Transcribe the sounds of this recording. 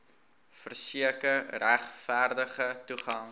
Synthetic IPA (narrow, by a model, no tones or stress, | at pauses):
fərsiəkəræχfærdəχətuχɑŋ